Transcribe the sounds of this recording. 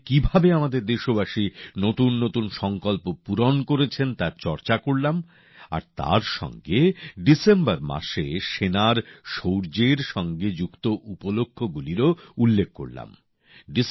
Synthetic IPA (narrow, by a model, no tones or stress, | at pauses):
kibʱabeamad̪eɾd̪eʃobaʃinot̪unːot̪unʃɔŋkɔlpopuɾonkoɾet͡ɕʰent̪aɾt͡ɕɔɾt͡ɕakoɽlam | a̰ɾt̪a̰ɾʃɔ̰ŋɡeɖisembaɾma̰ʃeʃenaɾʃowɾd͡ʑeɾʃɔŋɡed͡ʑukt̪oʔupolokʰːoɡuliɾoulːek̚ʰːko̰ɽla̰m | ɖi